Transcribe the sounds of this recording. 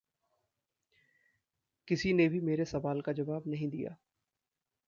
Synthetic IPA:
kɪsinebʱimeːɾesɐʋaːlkad͡ʒɐʋaːbnɐɦĩd̪ija̰ː

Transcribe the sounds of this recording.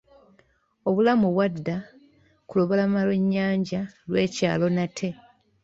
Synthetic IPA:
o̞βulamuβwadːa | kulo̞βolamalweɲːaːɲɟalwe̞ːca̰ːlo̞natʰe̞

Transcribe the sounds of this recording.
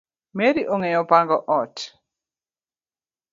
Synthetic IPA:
meɾiʔoŋɛjɔpaŋɡɔʔɔt

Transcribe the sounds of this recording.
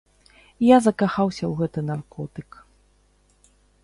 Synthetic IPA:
jazɐkaxawsʲɐwɣɛt̪ɨnarkʰɔt̪ɨk

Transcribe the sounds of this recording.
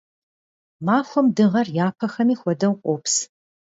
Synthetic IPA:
maːxʷɔmdɨʁɐrjaːpʰɐxɐmiːxʷɔdɐwqʷʼoːps

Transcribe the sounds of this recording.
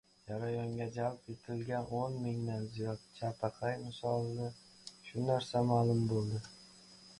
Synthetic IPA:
d͡ʒaɾajɒŋɡʲad͡ʒalˠpet̪ʰɪlɡʲanʔonmɪŋd̪anzijɒt̪̚t͡ʃʰapʰaqʰɑjmɪsɒlˠːɪ | ʃʊnaɾsamaːlˠʊmbolˠd̪ɪ

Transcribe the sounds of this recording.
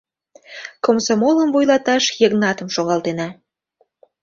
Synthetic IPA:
komsomoləmvojlɑt̪ɑʃjəɣnɑt̪əmʃoɣɑlt̪enɑ

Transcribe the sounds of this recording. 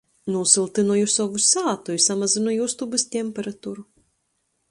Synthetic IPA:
nuːsɨlˠt̪ɨnɔjusɔʋusʲaːt̪ɔjusamɐzʲɨnɔjust̪ubɨsʲt̪ʲɛmʲpʲɛɾɐt̪uɾu

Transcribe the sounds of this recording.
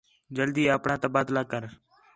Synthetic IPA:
d͡ʒəld̪iːəpɳaːt̪əbaːt̪laːkəɾ

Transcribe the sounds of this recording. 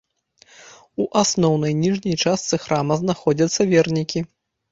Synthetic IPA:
uʔasnɔwn̪ɐjnʲiʐnʲɐjt͡ʂast̪sɨxɾamɐznaxɔd͡zʲɐt̪sːɐvʲɛrnʲikʲi

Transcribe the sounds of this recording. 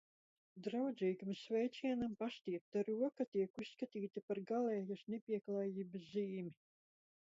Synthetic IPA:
d̪ɾawd̪ziːɡamsʲvʲɛjt̪siɛnampast̪ʲiɛp̚t̪aɾuɔkat̪iɛkusskat̪iːt̪ipaɾɡalɛːjasnepʲiɛklˠaːjiːbɨsziːmʲi

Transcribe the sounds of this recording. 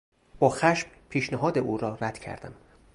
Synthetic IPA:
b̥ɒːxæʃm | pʰiːʃnæɦɒːd̪eʔuːɾɒːræd̪̥cʰæ̰ɾd̪æ̰m

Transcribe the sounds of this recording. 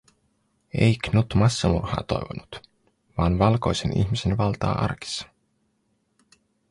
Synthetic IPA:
ejknut̪mɑsːɑmṵrhɑ̰ːt̪o̞jʋonut̪ | ʋɑːnʋɑlko̞jse̞nʔḭçmise̞nʋɑlt̪ɑ̰ːʔɑ̰rki̥sːɑ̥

